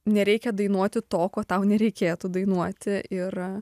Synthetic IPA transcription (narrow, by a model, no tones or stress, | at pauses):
nʲɛɾʲɛɪkʲɛd̪ɐɪnuɔt̪ʲɪt̪oːkoːt̪ɐʊnʲɛɾʲɛɪkʲeːt̪ud̪ɐɪnuɔt̪ʲɪɪr